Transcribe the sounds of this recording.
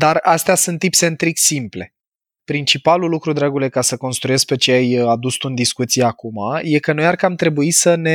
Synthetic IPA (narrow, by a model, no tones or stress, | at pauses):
d̪arast̪easunt̪ipse̞nt̪ɾiksimple̞ | pɾint͡ʃipalulukɾud̪ɾaɡulekasəko̞nst̪ɾujesk̚pe̞t͡ʃeajad̪ust̪und̪iskut̪siakumaje̞kəno̞jarkəamt̪ɾe̞buisəne̞